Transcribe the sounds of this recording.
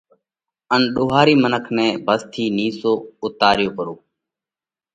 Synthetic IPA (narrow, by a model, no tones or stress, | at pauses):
ənɗoːɦaːɾiːmənəkʰnɛ̃ːbʱəst̪ʰiːniːsoːʊt̪aːɾɪjoːpəɾoː